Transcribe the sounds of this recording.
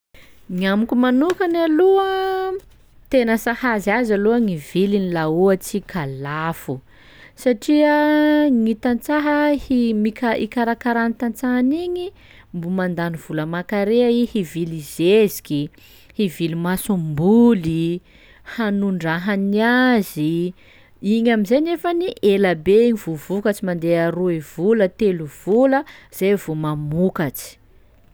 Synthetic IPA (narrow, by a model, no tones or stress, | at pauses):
ŋamukumanukanaluə | t̪enəsahaziazaluəŋivilinilauət͡sikʰalafu | saʈ͡ʂiəŋit̪ant͡saɦəhimikaʔḭkaɾakaɾanit̪ant͡saɦaniɲi | mbumand̪aniv̥uləmakaɾeaihivilizezi̥kʲi | hivilimasumbuli | hanuɳɖ͡ʐaɦaniazi | iɲamizenefəniʔelabeiɲiv̥uvukat͡ʃimand̪eaɾuev̥ulət̪eluv̥uləz̥ejvumamukat͡si̥